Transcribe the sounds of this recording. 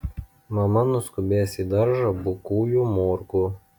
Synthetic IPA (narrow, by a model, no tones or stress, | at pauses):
mɐmɐnʊskʊbʲeːsiːd̪ɐɾʒɐbʊkuːjuːmoːɾkuː